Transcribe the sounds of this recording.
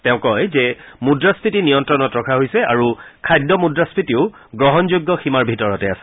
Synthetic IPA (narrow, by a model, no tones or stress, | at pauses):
tɛʊ̃kɔjzɛmudɹaspʰɹitinijɔntɹɔnɔtɹɔkʰaɦojsɛaɹukʰajdːɔmudɹaspʰitiʊ | ɡɹɔɦɔnzojɡːɔximaɹbʱitɔɹɔtɛasɛ̥